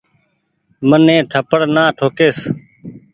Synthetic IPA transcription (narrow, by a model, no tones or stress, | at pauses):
mənẽːt̪ʰəpəɽnãːʈʰoːkeːs